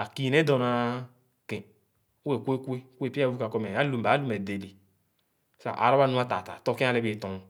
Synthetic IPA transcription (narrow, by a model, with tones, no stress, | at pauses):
a˨ki˦ne˦do˨na˨˦ | kẽ˨˦ | e˦˨kʷe˦kʷe˦kʷe˦˨pi˦a˦vu˦ka˨kɔ˦me˨a˦lu˨m˨ba˨˦lu˦me˨de˨li˨˦ | sa̰˨ʔa̰˨ɾa˦ba˦˨nu˦a˦ta˨ta̰˨to˦kẽ˦a˦le˦be˨tõ˨